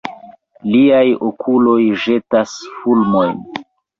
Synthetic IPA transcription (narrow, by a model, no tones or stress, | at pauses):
liajokʰulo̞jʒe̞tasfulmo̞jn